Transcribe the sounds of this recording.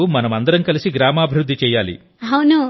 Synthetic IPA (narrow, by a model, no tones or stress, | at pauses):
umɐnɐmɐnd̪ɐɾɐmkɐlisiɡɾaːmaːbʱiɾud̪ʱːit͡ʃɛːjaːlḭ | ɦɐwnu